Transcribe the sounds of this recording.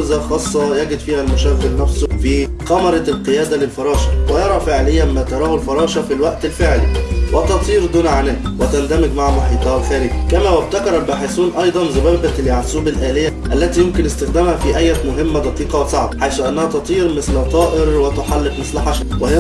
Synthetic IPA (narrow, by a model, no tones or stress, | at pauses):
zæxɑːsˤːɑjæɡɪd̪fiːhælmʊʃæːfɪlnːæfsfiː | qɑmɑɾˤɑlqejæːd̪ælɪlfɑɾˤɑːʃæ̥wɪjɑɾˤɑfɪʕlɪjːæmmæːt̪ɑɾˤɑːhʊlfɑɾˤɑːʃɑfilwæʔt̪ɪlfɪʕliwæt̪ɑt̪ˤiːɾd̪uːnʕanæːwɪt̪ænd̪æmɪɡmaʕmoħiːt̪ˤɑhɑlxæːɾɪɡkæmæːwæb̚t̪ækɑɾˤɑlbæːħesuːnʔɑjd̪ˤɑnzʊbæːbæljaʕsuːbɪlʔæːlɪjːæʔælːæt̪ijomkɪnʔɪst̪ɪxd̪æːmhæfiʔæjːæt̪mʊɦɪmːæd̪ˤɑqiːqɑwsˤɑʕbħajsuʔænːæhæt̪ɑt̪ˤiːɾmɪslt̪ˤɑːʔɪɾwɪt̪oħalːɪqmɪsθlħaʃæwɪh